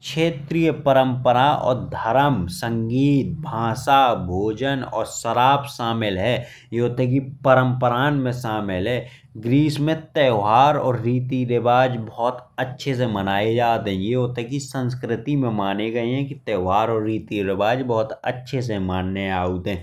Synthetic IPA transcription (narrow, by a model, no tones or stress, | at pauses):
kʃʰeːt̪ɾijəpəɾə̃mpəɾaɔ̰ːɾd̪ʱəɾəmsə̃ŋɡiːt̪̚bʱãːsaːbʱoːd͡ʒənɔ̰ːɾsəɾaːpʃaːmɪlɦɛː | jeoːt̪ek̬ipəɾə̃mpəɾaːnmẽʃaːmɪlɦɛː | ɡɾiːsmẽt̪ɛːɦaːɾɔːɾːiːt̪iɾɪbaːd͡ʒbɔːt̪ətːʃʰes̬emənaːed͡ʒaːt̪ɦɛ̃jeot̪ekisə̃ns̬kɾɪt̪imẽmaːneɡɐeɦɛ̃kit̪ɛːɦaːɾɔːɾːiːt̪iɾɪbaːd͡ʒbɔɦʊt̪ə̰tːʃʰes̬emaːnːeaːut̪ɦɛ̃ː